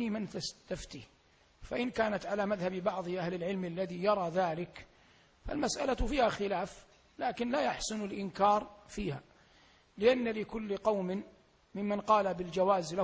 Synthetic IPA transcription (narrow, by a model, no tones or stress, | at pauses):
imɪnt̪ast̪aft̪ḭː | faʔɪnkaːnat̪ʕalamaðhabbɑʕðˤɨʔahlɪlʕɪlmalːaðijɑɾˤɑːðaːlɪk | fa̰lmasʔalafiːhaxɪlaːf | laːkɪnlaːjaħsʊnɪlʔɪnkɑːɾˤfiːha | lɪʔanːalɪkʊlːɪqɑwmɪn | mɪmːanqɑːlabɪld͡ʒawaːzla